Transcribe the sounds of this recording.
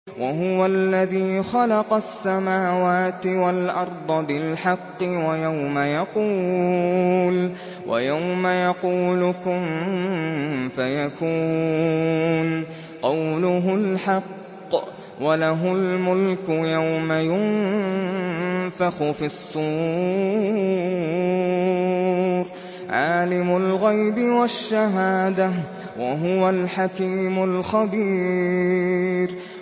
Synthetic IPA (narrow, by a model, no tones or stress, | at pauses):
wʔaɦʊwalːaðiːxɑlɑqɑsːamaːwaːt̪ɪwalʔɑɾˤd̪ˤɑbɪlħɑqːɨwajawmajɑquː | l | wʔa̰jawmajɑquːlʊkʊm | fajakuː | n | qɑwlʊɦʊlħɑqː | walaɦʊlmʊlkʊjawmajʊnn | fɑxʊfisˤːuː | ɾ | ʕaːlɪmʊlɣajbɪwaʃːaɦaːd̪a | waɦʊwalħakiːmʊlxabiː | ɾ